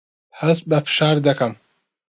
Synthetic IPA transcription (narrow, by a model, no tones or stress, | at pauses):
hɐsbɐfɨ̥ʃɑːɾd̪ɐkɐm